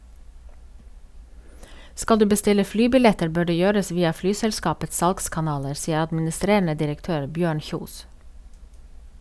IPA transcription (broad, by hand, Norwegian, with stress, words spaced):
ˈskɑl ˈdʉː bəˈstɪlə ˈflyːbɪˌlɛtəɾ ˈbøː ˈɖeː ˈjøːɾəs ˈʋiːɑ ˈflyːsɛlˌskɑːpət ˈsɑlɡskɑˌnɑːləɾ ˈsiːə ɑdmɪnɪˈstɾeːɳə dɪɾəkˈtøːɾ ˈbjøːɳ ˈçuːs